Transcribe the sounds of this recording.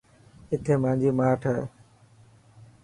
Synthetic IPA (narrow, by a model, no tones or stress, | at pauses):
ɪt̪ʰeːmãːɪ̃ɲd͡ʑiːmaːʈʰə